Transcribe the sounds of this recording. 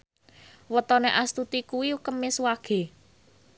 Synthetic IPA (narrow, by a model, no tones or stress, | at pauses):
wət̪ɔneʔast̪ut̪ikuwiukəmɪswaɡ̥e̤